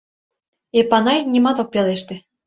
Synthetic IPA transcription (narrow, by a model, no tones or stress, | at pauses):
epɑnɑjnʲimɑt̪ok̚peleʃt̪ĕ